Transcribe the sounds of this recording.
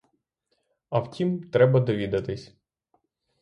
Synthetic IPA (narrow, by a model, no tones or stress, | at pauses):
ɐwtʲimt̪ɾɛbɐd̪ɔʋʲid̪ɐt̪ɪsʲ